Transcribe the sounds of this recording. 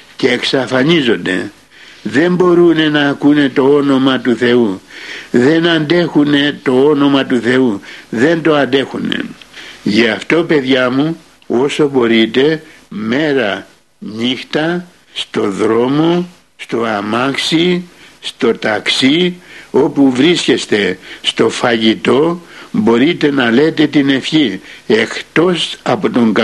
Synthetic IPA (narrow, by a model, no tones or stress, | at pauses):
ce̞ːksɐfɐnizo̞nd̪e̞̰ | ðe̞mbo̞ɾune̞nɐːkune̞t̪o̞o̞no̞mɐt̪uθe̞u | ðe̞nɐnd̪e̞xune̞t̪o̞o̞no̞mɐt̪uθe̞uðe̞nt̪o̞ɐnd̪e̞xune̞̰ʝɐɐft̪o̞pe̞ðʝɐmu | o̞so̞bo̞ɾit̪e̞ | me̞ɾɐ | ɲixt̪ɐ | st̪o̞ðɾo̞mo | st̪o̞ɐmɐksist̪o̞t̪ɐksio̞puvɾisce̞st̪e̞st̪o̞fɐʝit̪o̞bo̞ɾit̪e̞nɐle̞t̪e̞t̪ine̞fçie̞xt̪o̞sɐpo̞t̪o̞ŋɡ